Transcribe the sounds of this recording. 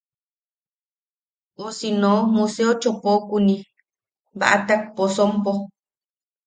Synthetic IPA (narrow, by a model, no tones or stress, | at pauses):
osinomuseot͡ʃopokunĩ | βa̰ʔat̪ak̚posompo